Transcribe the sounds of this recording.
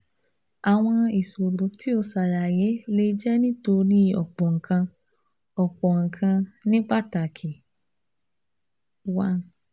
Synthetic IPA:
a˨w̃ɔ̃˧i˨so˨ɾo˨˦ti˨˦o˧˨sa˨ɾa˨je˨˦le˦d͡ʒɛ˦nĩ˦to˧ɾĩ˦ɔ̰˨k͡pɔ˨ŋ̩˨kʰã˧ | ɔ˨k͡pɔ˨ŋ̩˨kʰã˧nĩ˦k͡pa˦ta˨kʰi˨ | wa˦n

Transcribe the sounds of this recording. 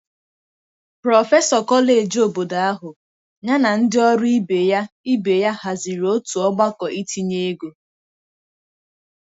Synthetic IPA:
pɾɔ˨fe˦sɔ˨kɔ˦le˨e˨d͡ʒo˨bo˨da˨a˦ɦʊ˨ | ɲa˦na˨n̩˦dɪ˦ɔ˦ɾʊ˦i˦be˨ja˦i˦be˨ja˦ha˨zi˨ɾo˦tu˨ɔ˦ɡ͡ba˦kɔ˨ʔi˦tʰi˦ɲe˦e˦ɡo˨

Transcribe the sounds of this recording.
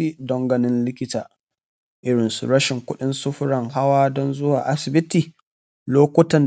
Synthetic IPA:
iː˦dɔ˦ŋɡɐ˦nɪ˦nlɪ˦kʲɪ˦taː˨ | ʔɪ˦ɽɪ˨nsṵ˨ɾɐ˦ʃɪ˨ŋkʷʊ˦ɗɪ˦nsʊ˦ɸʊ˦ɾɐ˨ŋɦa˦waː˦dɔ˦nzʊ˦waː˨ʔa˦sɪ˨bɪ˦tiː˨ | loː˦kʷʊ˦tɐ˨n

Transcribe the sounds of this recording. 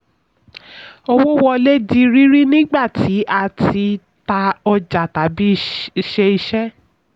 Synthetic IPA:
o˧wo˦wɔ˧le˦di˦˧ɾi˦ɾi˦nĩ˦ɡ͡ba˦˨tʰi˨˦ʔa˧˨tʰi˧˦ | ta˧ɔ˧d͡ʒa˨ta˨˦bi˦ʃe˧i˧ʃɛ˦

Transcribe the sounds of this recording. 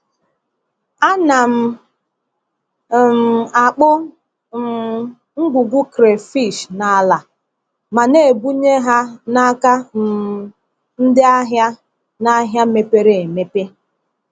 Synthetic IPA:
a˦na˨m̩˦ | m˨a˨k͡pʊ˦˨˦ | ŋ̩˦ɡʷu˨ɡʷu˦kɾe˨fi˦˨ʃna˨˦la˨ | ma˨ne˦˨bu˦ɲe˦ɦa˦na˦ka˦˨ | n̩˦dɪ˦a˦ɦja˦ | na˦ɦja˦me˦pe˦ɾe˨e˨me˦pe˦

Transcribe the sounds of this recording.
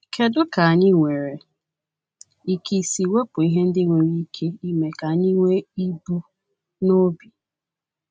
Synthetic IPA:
kʰe˨dʊ˦ka˨a˨ɲɪ˦ŋʷe˨ɾe˨ | i˨ki˨si˨we˦pʊ˨i˦ɦe˦n̩˦dɪ˦ŋʷe˨ɾi˦kʰe˦i˦me˨ka˨ɲi˦ŋʷe˦i˦bu˦ | no˦bi˨

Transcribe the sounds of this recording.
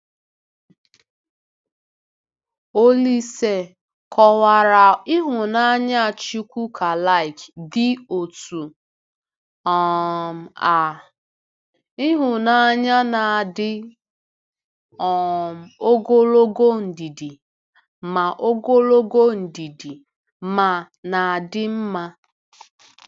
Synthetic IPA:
o˦li˦se˦ | kʰɔ˨wa˨ɾa˨ɪ˦ɦʊ˨na˦ɲa˦˨t͡ʃi˦kʷu˦kʰa˨la˦ɪ˨kdɪ˦o˨tu˨ | ɔ˨m̩˨a˨ | ɪ˦ɦʊ˨na˨ɲa˦na˨dɪ˦ | ɔ˨m̩˨o˦ɡo˦lo˦ɡo˦n̩˨di˨di˨ | ma˨ʔo˦ɡo˦lo˦ɡo˦n̩˨di˨di˨ | ma˨ | na˨a˨dɪ˦m̩˦ma˦

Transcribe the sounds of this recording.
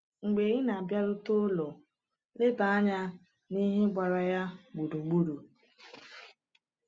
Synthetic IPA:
ŋ͡m̩˨ɡ͡be˨˦ɣi˦na˨a˨bja˦ɾʊ˦to˦lɔ˨ | lɪ˦ba˨a˦ɲa˦ | ni˦ɦe˦ɡ͡ba˨ɾa˨ja˦ɡ͡bu˨du˨ŋ͡mɡ͡bu˦du˨

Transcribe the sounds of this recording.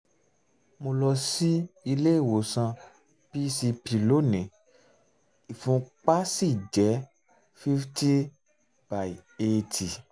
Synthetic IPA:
mo˧lɔ˧si˦i˧le˦i˦˨wo˨˦sã˧ | b̥i˦si˧pi˧lo˨˦˨nɛ̃˨˦ | i˨fũ˧˦k͡pa˦si˦˨d͡ʒɛ˨˦ | fi˦fti˦ | b̥a˨i˨e˧tʰi˨

